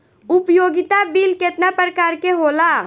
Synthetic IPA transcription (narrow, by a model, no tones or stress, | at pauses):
upjoɡɪt̪abilket̪napɾəkaːɾkeɦola